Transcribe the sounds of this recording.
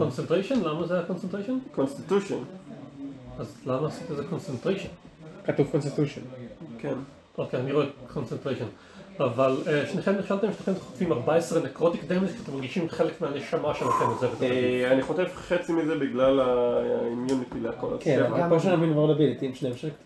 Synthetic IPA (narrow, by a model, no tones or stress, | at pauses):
ko̞nsentʁejʃo̞nlamazeako̞nsent̪ʁejʃonkonst̪it̪uʃon | azlamaasit̪eezeko̞nsentʁeʃon | katuv̥konst̪it̪uʃonken | ʔokeaniʁo̞ekʰonsentʁeʃo̞n | avaleʃneχemneχʃalt̪emʃetaχemt̪χotvimaʁbaesʁenekʁot̪ikd̪eʁmikʃat̪emaʁɡiʃimχe̞lekmeaneʃamaʃematemezevet̪aniχot̪evχet͡simizebiɡlalaimjunitileako̰la̰keoʃenavinvonabilit̪iimʃnemʃe